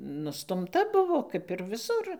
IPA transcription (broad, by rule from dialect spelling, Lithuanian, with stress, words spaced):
nʊstʊmˈtɐ ˈbʊʋoː ˈkɐp ɪr ʋʲɪˈsʊr